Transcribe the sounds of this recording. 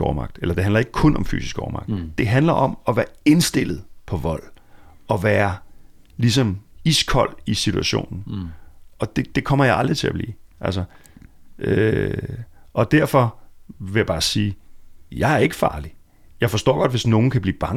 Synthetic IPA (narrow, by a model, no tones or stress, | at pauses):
ɒmɑ̈ɡ̥d̥elɐd̥e̝hænlɐe̝ɡ̥ə̥kʰɔ̽nɒ̽mfy̰ːsisɡ̥ɒːmɑ̈ɡ̥d̥d̥e̝ɦænlɐʔɒ̽mɒ̽ʋæːɐe̝nsd̥e̝l̰ð̩ˠpʰɒ̽ʋɒ̽l̰ | ɒ̽ʋæːɐ | lis̬ɒ̽miskʰɒl̰isit͡sʰuæɕo̝̰ːnn̩ | ɒ̽d̥e̝d̥e̝kʰɒ̽m̰ɐjɑ̈ɪɑ̈ld̥ʁit͡sʰe̝æb̥lḭːʔælsɒ | ø | ʔɒ̽d̥æɐfɒ̽ʋe̝jäb̥ɑ̈ːsiːjɑ̈ɪæɐe̝ɡ̥əfɑ̈ːli | jɑ̈ɪfɒ̽sd̥ɒ̰ːɡ̥ɒ̽d̥ʋe̝sno̝ːn̩kʰæb̥liːb̥ɑ̈ŋ